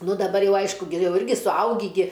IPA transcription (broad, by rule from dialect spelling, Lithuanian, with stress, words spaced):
ˈnʊ dɐˈbɐr jɛʊ ˈɐɪʃkʊ ɡʲɪ ˈjɛʊ ˈɪrʲɡʲɪ sʊˈɐʊɡʲiː ɡʲɪ